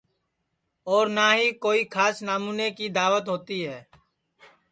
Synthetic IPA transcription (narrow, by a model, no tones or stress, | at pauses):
ɔːɾnaːɦikoːikʰaːsnaːmuːnekid̪aːʋət̪ɦoːt̪iɦɛː